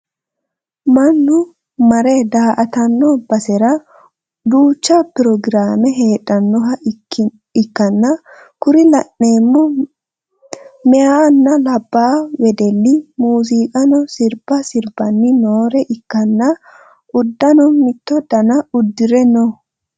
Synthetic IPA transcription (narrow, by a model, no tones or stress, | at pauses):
mɐnːʊ | mɐɾɛd̪aːʔɐt̪ɐnːɔbɐsɛɾɐ | d̪uːt͡ʃːɐpɪɾɔɡɪɾaːmɛɦeːᶑɐnːɔɦɐ | ɪkːɐnːɐ | kʊɾɪlɐnːeːmːɔ | mɛanːɐlɐbːaːwɛd̪ɛlːɪmuːsiːkʼɐnɔsɪɾb̥ɐsɪɾbɐnːɪnoːɾɛʔɪkːɐnːɐ | ʔʊd̪ːɐnɔmɪt̪ːɔd̪ɐnɐʊd̪ːɪɾɛnɔ